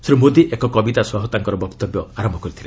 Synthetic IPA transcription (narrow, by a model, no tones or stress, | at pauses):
sɾimod̪iʔekɔkɔbit̪aswɔɦɔt̪aŋkɔɾɔbɔkt̪ɔbjɔaɾɔmbʱɔkɔɾit̪ʰile